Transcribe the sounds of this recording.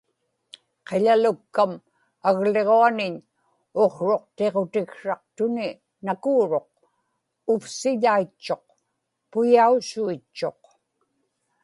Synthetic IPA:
qe̞ʎalʊkːam | aɣle̞ʁoanɪɲ | oχɻo̞q̚t̪e̞ʁo̞t̪ɪkʂɑq̚t̪ʊnɪ | nakuːɻo̞q̚ | ʊfsɪʎait͡ʃːo̞q̚ | pʊjausuit͡ʃːo̞q

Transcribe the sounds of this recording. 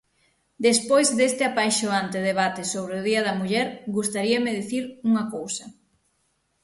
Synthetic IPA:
d̪espojzðest̪ɪapajʃoant̪eðeβ̞at̪ɪsoβ̞ɾeoð̞iɐðɐmuʎɛɾɡust̪aɾiɐmeðiθiɾuŋɐkowsɐ

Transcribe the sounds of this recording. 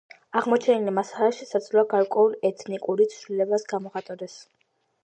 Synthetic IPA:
aʁmɔt͡ʃʰɛnilɛmasalɛʃisad̪zlɔaɡaɾkʼwɛulˠɛt̪ʰnikʼuɾit̪sʰvlilɛbasɡamɔχat̪ʼɔd̪ɛs

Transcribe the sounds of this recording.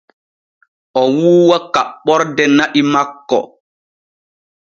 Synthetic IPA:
ʔɔwuːwakaɓɔɾdɛnaʔimakːɔ̰

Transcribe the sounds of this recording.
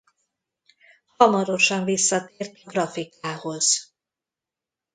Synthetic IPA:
hɒmɒɾo̞ʃɒɱvisːɒt̪eːrt̪ɡrɒfikaːho̞z̥

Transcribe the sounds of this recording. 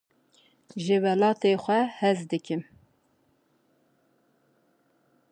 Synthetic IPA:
ʒɨwɛlɑːt̪eːxʷɛhɛzd̪ɨkʰɨm

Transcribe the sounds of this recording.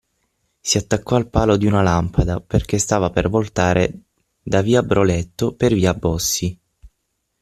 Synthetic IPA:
siat̪ːakːɔalpaːlod̪iunalampʰad̪aperk̟est̪aːvapervolt̪aːɾʔe | d̪aviːabɾolet̪ːoperviːabːɔsːi

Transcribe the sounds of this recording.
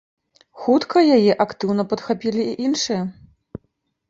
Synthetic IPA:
xut̪kʰɐjajɛʔakt̪ɨwnɐpɐt̪xapʲilʲiːʔinʂɨjɐ

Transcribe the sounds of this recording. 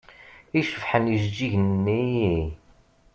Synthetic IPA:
iʃəfħənjizd͡ʒiʝnnːii

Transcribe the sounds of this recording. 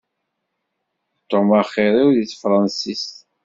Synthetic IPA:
t̪ːomaχːiɾˤiwðiθfɾˤɑnsist̪

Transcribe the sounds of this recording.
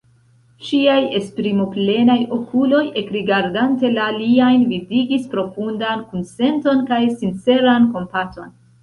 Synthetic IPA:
ʃiaje̞spɾimople̞najo̞kʰulo̞je̞kɾiɡaɾdante̞laliajnvidiɡispɾo̞fundankunse̞nto̞nkajsint͡se̞ɾanko̞mpato̞n

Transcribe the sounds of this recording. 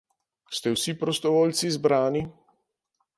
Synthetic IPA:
st̪ɛwsipɾɔst̪ɔʋoːlt̪sizbɾaːni

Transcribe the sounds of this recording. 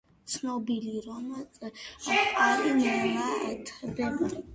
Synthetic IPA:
t̪sʰnɔbiliɾɔmɛ | qʼaɾinalaɛt̪ʰɛbɛb

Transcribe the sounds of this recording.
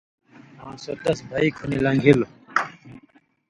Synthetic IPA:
ãːsot̪ɐsbʱaikʰunilɐŋɡʱilo

